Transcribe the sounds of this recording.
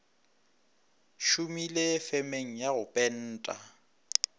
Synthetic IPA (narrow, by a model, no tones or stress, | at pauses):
ʃumilɪfɛmeŋ̩jaɣʊpʼɛn̩ːtʼa